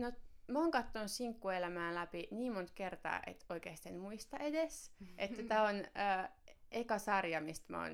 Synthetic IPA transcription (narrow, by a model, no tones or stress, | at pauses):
nomæoːŋkɑt̪ːonussiŋkːuelæmæːnlæpiniːmmont̪kert̪ɑ̰ːʔḛt̪oikeːst̪enmuist̪ɑedesʔet̪ːæt̪æːonəːekɑsɑrjɑmist̪mæ̰o̰ːn